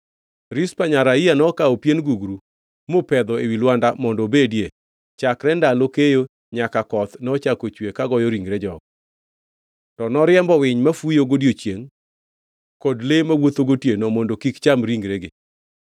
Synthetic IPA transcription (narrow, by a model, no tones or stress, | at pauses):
ɾɪspaɲaɾaianɔkaɔpjenɡuɡɾu | mopɛd̪ɔewilwandamɔndobedje | t͡ʃakɾɛndalokejo | ɲakakɔt̪nɔt͡ʃakot͡ʃwekaɡɔjoɾiŋɡɾed͡ʒɔɡ̚ | tɔnɔɾɪɛmbɔwɪɲmafujoɡodijot͡ʃjeŋ | kɔdlemawot̪oɡotjenomɔndokikt͡ʃamɾiŋɡɾeɡe